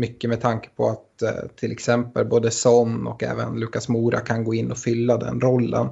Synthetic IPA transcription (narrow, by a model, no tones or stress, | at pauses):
mʏkːəmɛt̪ʰaŋkə̥pʰɔ̰at̪ʰːɪlɛksɛmpəlboːd̪əsɔnːɔkɛ̰ːvə̰nlʉ̟ːkːasmuːɾʔa̰kʰanɡoːɪnːɔfʏlːad̪ɛ̰nɾɔlːə̰n